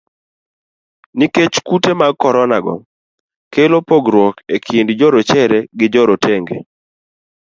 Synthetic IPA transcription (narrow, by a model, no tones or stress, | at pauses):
niket͡ʃkutemaɡ̚kːɔɾɔnaɡɔ̰ | kelopoɡɾwɔkekʰindd͡ʒɔɾot͡ʃɛɾɛɡɪd͡ʒɔɾotʰeŋɡḛ